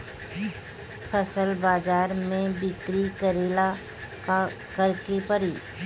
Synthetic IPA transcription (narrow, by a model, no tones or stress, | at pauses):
pʰəsəlbaːd͡ʒaːɾmẽbɪkɾikəɾeːla | a | kəɾkepəɾiː